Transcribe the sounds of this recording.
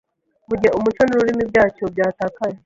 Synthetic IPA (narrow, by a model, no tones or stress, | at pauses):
βuɟeʔumut͡ʃonuɾuɾimibɟaːt͡ʃo̞bjaːtakaje